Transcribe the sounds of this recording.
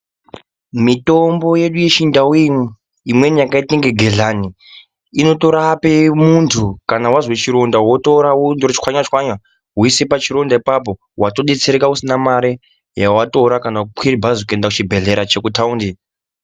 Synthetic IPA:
mito̞mbo̞je̞ɗuje̞ʃindawi | imwe̞nijakaitiŋɡe̞ɡʱeɮani | ino̞to̞ɾapemuntʰukanawazwet͡ʃiɾo̞ndawo̞to̞ɾawondorot͡ʃkwaɲwat͡ʃkwaɲa | ɦuisepat͡ʃiɾo̞ndaipap̬o̞ | wato̞ɗet͡seɾekausinamaɾe | jawato̞ɾakanakukwiribʱazokue̞ndakut͡ʃibʱe̞ɮe̞ɾat͡ʃe̞kutaundi

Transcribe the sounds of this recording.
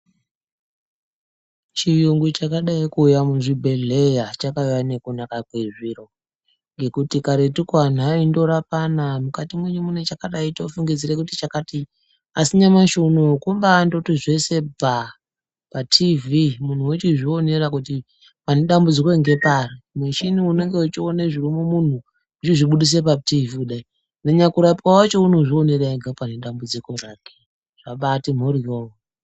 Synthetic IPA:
t͡ʃijuŋɡut͡ʃakaɗaikuːjamuʐibʱe̞ɮe̞jat͡ʃakajanekunakakweʐiɾo̞ | ŋɡe̞kutikaɾe̞tikwan̤aindo̞ɾapanamukatimwe̞ɲumune̞t͡ʃakaɗaitoufuŋɡid͡zire̞kutit͡ʃakati | asiɲamaʃunokumbando̞tiʐe̞se̞bʱa | patʰivimun̤uwet͡ʃiʐio̞ne̞ɾakuti | pane̞ɗambud͡ziko̞iŋɡe̞parimweʃiniune̞ŋɡe̞ut͡ʃioneʐirimumun̤u | ut͡ʃiʐiɓuɗis̬e̞p̬ativikuɗai | neɲakuɾapwawat͡ʃo̞uno̞ʐio̞ne̞raiɡʱapane̞ɗambud͡ziko̞raːke̥ | ʐ̥aɓatim̤orijowo

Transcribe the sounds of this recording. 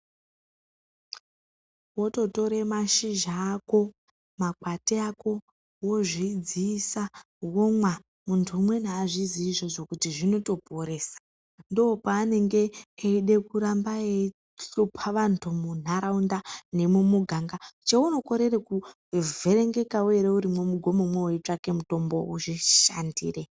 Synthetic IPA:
wo̞to̞to̞ɾe̞maʃiʒaːko̞ | makwateako̞ | wo̞ʐid͡ziːsa | womwa | muntʰuːmwe̞naːʐiziːʐo̞ʐo̞kutiʐino̞to̞poɾe̞ːsḁ | ndo̞ːpaːne̞ŋɡe̞ːiɗe̞kuɾambae | opʰaʋantʰumun̤aɾaundane̞mumuɡʱaŋɡat͡ʃeuno̞ko̞ɾe̞reku | ve̞ɾe̞ŋɡe̞kaweɾeuɾimwo̞muɡʱo̞momwewet͡ʂake̞muto̞mbouʐiʃa̰ndḭːre̞

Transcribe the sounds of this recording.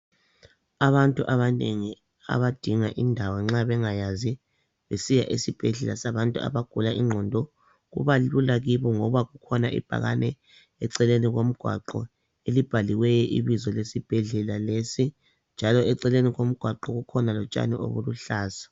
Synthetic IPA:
aβantʼuʔaβaneŋi | a̰βad̥ʱiŋaʔindʱawɔŋ͡ǁaβɛŋajazi | βesijaʔisib̥ʱɛɮɛ̰lasaβantʼua̰βaɡ̥ʱulaʔiŋ͡ǁʱɔndʱɔ | ɣṵβalulaɣiβɔŋɔβaɣukʰɔnaʔḭb̥ʱa̰ɣa̰nɛ | ɛǀɛleniɣom̩ɡ̥ʱwa̰ǃɔ̰ | elib̥ʱaliwɛjɛʔiβizɔlesib̥ʱɛɮɛlalesi | nd͡ʒʱalɔɛǀɛleniɣom̩ɡ̥ʱwaǃɔɣukʰɔnalɔt͡ʃʼa̰nḭʔo̰βṵluɬaːsḁ

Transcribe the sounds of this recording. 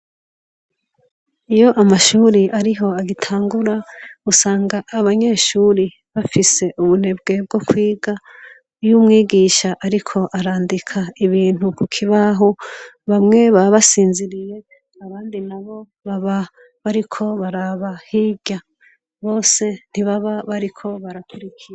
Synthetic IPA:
ijo̞ʔamaʃuːɾiʔaɾiɦo̞aɡitʰaːŋɡuɾausaːŋɡaʔːβaɲe̞ʃuːɾi | βafise̞ʔuβun̥e̞bɡe̞b̚ɡo̞kwiːɡa | ujumŋiːɡiːʃaʔaɾikʰo̞ʔaɾaːndikʰaiβiːn̥hukukʰiβaɦo | βamŋe̞βaβasiːnziɾije̞ | aβaːndinaβo̞ | βaβa | βaɾikʰo̞βaɾaβahiːɟa | βo̞ːse̞n̥iβaβaβaɾikʰo̞βaɾakuɾikʰiɾa

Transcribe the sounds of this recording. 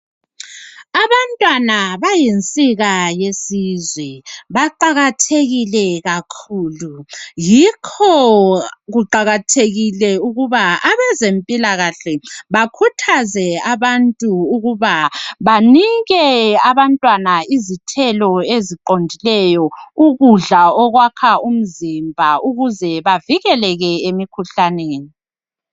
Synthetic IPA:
aβantʼwanaβajent͡sʼiɣajesizwɛβaǃaɣatʰeɣilɛɣakʰuːlujikʰɔ | ɣuǃaɣatʰeɣilɛuɣuβaaβɛzempʼilaɣaɬɛβakʰutʰazɛaβantʼuːɣuβaβaniɣɛaβantʼwanaizitʰɛlɔeziǃondʱilɛjɔuɣuɮaɔɣwakʰaum̩zimbʱaʔuɣuzɛβaviɣɛlɛɣɛemikʰuɬaneːni

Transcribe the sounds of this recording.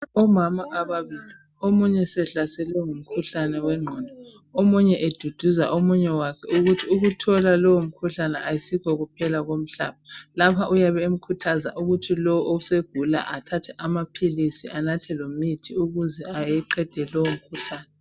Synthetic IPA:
ɔmamaʔaβaβiːli | omuɲɛsɛɬasɛlɛŋum̩kʰuɬanɛwɛŋ͡ǁʱɔndʱɔ | omuɲɛʔed̥ʱud̥ʱuza̰ʔomuɲɛwakʰɛuɣutʰiuɣutʰɔlalɔwom̩kʰuɬanɛʔajisiɣɔɣupʰɛlaɣom̩ɬa̰ːβalapʰaʔujaβɛem̩kʰutʰaza̰ʔuɣutʰilɔwʔouseɡ̥ʱula̰ʔatʰatʰɛʔamapʰilisiʔanatʰɛlomitʰiuɣuzɛajɛǃɛd̥ʱɛlɔwom̩kʰuɬaːnɛ

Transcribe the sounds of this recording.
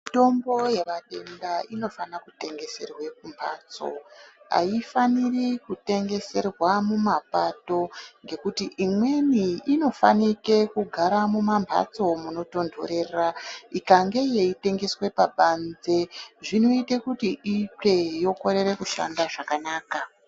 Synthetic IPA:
mito̞mbo̞je̞ʋate̞ndaino̞fanakute̞ŋɡe̞se̞̰rwe̞k̚umbʱa̰ːt͡so̞̰ | a̰ifanirikute̞ŋɡe̞se̞rwamumapato̞ŋɡe̞kutiʔimwe̞niino̞fa̰nike̞kuɡʱaɾamumambʱa̰t͡so̞muno̞to̞ndʱo̰ɾe̞ːraikaŋɡe̞je̞ite̞ŋɡe̞swe̞paɓanze̞ʐino̞itekutiʔit͡ʂe̞jo̞ko̞ɾe̞ɾe̞kuʃa̰ndaʐakanaːka

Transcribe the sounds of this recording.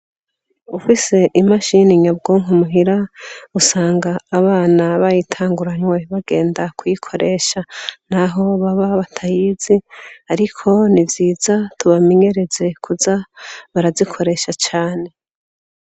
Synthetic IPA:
ufise̞ʔimaʃiniɲab̚ɡoːŋ̥umuɦiɾausaːŋɡaːβaːnaβajitʰaːŋɡuɾaɲwe̞βaɡ̥e̞ːndakujikʰo̞ɾe̞ʃan̥aɦo̞βaβaβatʰajiːziaɾikʰo̞nivjiːzatuβame̞ɲe̞ɾe̞ze̞kʰuzaβaɾazikʰo̞ɾe̞ːʃat͡ʃaːne̞

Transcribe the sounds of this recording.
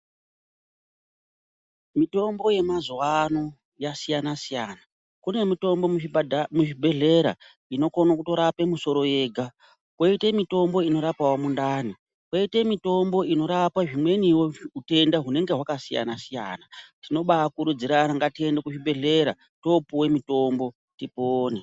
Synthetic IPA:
mito̞mbo̞je̞mazwano | jasijanasijana | kune̞mito̞mbo̞muʐibʱe̞ɮe̞ɾa | ino̞konakuto̞ɾape̞muso̞ɾo̞je̞ːɡʱa | kwoitemito̞mbo̞ino̞ɾapawomundaːni | kweite̞mito̞mbo̞ino̞ɾapaʐimwe̞niwoute̞ndaɦune̞ŋɡe̞ɦwakasija̰nasija̰natino̞ɓakuɾud͡ziɾaɾaŋɡatiendekuʐibʱe̞ɮe̞ɾa̰ | to̞puwe̞mito̞mbo̞ | tipoːne

